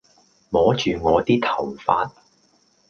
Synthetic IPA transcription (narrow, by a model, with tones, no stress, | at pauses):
mɔː˨˥t͡ʃyː˨ŋɔː˨˧t̪iː˥t̪ʰɐ˨˩wfaː˧t̚